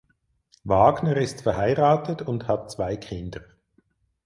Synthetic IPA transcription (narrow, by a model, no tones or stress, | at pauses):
vaːɡnəʁɪstfɛɐhaɪʁaːtətʊnthat̚t͡sv̥aɪkʰɪndə